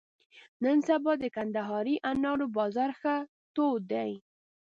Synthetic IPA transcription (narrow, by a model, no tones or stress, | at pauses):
nənsabɑd̪əkand̪aɦɑɾiʔanɑɽobɑzɑɾxa | t̪od̪aj